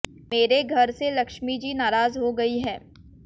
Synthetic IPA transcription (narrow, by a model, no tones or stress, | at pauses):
meːɾeɡʱɐɾselɐkʃmid͡ʒiːnaːɾaːzɦoɡɐiɦɛː